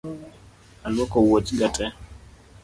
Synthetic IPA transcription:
alwɔkɔwotiɡatʰʼɛ

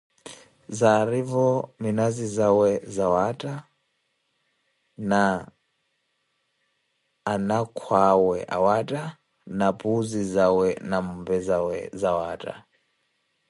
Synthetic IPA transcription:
zaɾivɔminazizawɛzawatʼa | na | nakʰwawɛʔa̰watʼa | napʼuzizawɛnamubɛzawɛ̰zawaːtʼa̰

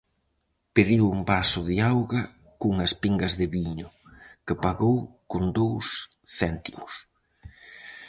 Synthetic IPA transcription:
peðiwuŋbasʊðiawɣɐ | kuŋɐspiŋɡɐzðɪβiɲʊkɪpaɣowkond̪ows | θɛnt̪imʊs

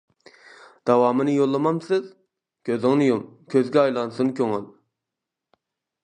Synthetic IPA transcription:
d̪̥ɑwɑːmɨnɨjolˠːəmɑmsɨz | kʲʰøzɪŋnɨjomkʲʰøzɡʲɛɑjlˠɑnsunkʲʰøŋy̰l

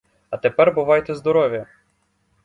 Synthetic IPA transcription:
ɐt̪epɛrbʊʋɑjt̪ɛzd̪ɔɾɔʋʲjɐ

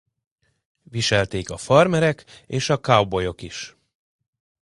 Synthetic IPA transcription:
viʃɛlt̪eːkɒfɒrmɛɾɛkeːʃɒkawbo̞jo̞kiʃ

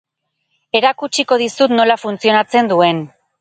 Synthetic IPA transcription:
e̞ɾakut͡ʃiko̞ð̞isut̪no̞lafunt͡sio̞nat͡se̞nd̪ue̞n

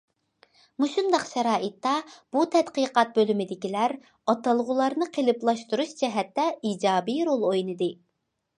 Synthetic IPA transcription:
musɨmd̪ɑqʃɛɾɑːʔit̪ːɑb̥ut̪ʰɛt̪qiqɑt̪̚bølymɪd̪ɪkʲilæɾ | ɑt̪ɑlˠʁʊlˠɑɾnɨqʰelˠɨplˠɑʃt̪uɾuʃd͡ʒɛɦɛt̪ːɛiːd͡ʒɑːbijɾolˠojnɨd̪ɨ

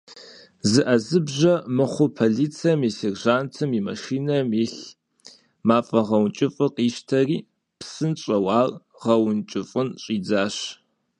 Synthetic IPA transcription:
zɨʔɐzɨbʑɐmɨχʷʊpʰoɮiːt͡sʰiɐmisirʒaːntʰɐmimɐ̰ʃiːnɐmiɬ | maːfʼɐʁɐwnt͡ʃʼɪfʼɨqiːʃtʰɐriː | psɨnɕʼɐwɑːl | ʁɐwʊnt͡ʃʼɪfʼɨnɕʼiːd͡zaːɕ

